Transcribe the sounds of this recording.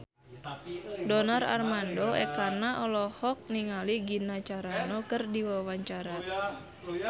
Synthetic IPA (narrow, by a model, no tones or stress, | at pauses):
dɔnara̰rmandɔɛkanaʔɔlɔhɔk̚niŋaliɡinat͡ʃaɾanɔkɨrdiwawaɲt͡ʃaɾa